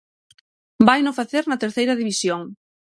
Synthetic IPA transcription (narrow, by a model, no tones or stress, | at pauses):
bajnofaθeɾnɐt̪eɾθejɾɐðiβisjoŋ